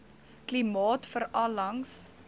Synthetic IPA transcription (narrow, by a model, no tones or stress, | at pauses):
klimɑːtfəɾɑlɐŋs